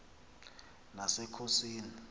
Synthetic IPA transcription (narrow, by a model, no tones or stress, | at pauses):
nasɛkʰosiːni